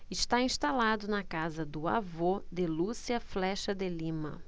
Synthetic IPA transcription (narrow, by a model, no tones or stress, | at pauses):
ɪʃt̪aĩst̪alad̪ʊnɐkazɐd̪ʊa̰vod̪elusiɐflɛʃɐd̪elĩmɐ̰